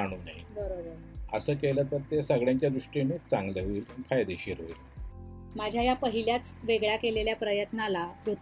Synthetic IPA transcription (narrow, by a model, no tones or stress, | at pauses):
aɽ̃uːnaɦibəɾoə | əsəːkelət̪əɾt̪esəɡɭjãɲt͡ɕjad̪ɾuʂʈinit͡saŋɡleʋiːlfajd̪eɕiɾoʋiːl | mad͡ʑʱjajapəɦiljat͡sʋeɡɭjakeleljapɾəjət̪nalaɾut̪